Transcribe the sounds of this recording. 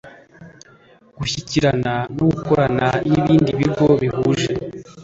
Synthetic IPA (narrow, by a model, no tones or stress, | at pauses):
ɡ̥uçiciɾananoɡuko̞ɾananiβiːndiβiɡo̞βihuːʒe